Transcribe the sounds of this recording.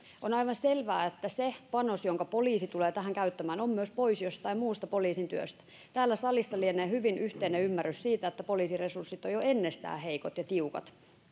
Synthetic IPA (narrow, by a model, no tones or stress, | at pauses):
onɑiʋɑnselʋæːet̪ːæsepɑnosjoŋkɑpoliːsit̪uleːt̪æhæŋkæyt̪ːæmæːnomːyøspoisjost̪ɑimuːst̪ɑpoliːsint̪yø̰st̪æ̥ | t̪æːlːæsɑlisːɑlieneːhyʋinyht̪eːneymːærːyssiːt̪æet̪ːæpoliːsiresursːit̪ojoenːest̪æ̰ːheikot̪jɑt̪iukɑ̰t̪